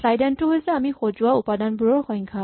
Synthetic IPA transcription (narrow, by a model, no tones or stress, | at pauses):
ɹajdɛntʊɦojsɛamixozuwaupadanbuɹɔɹxɔjŋkʰa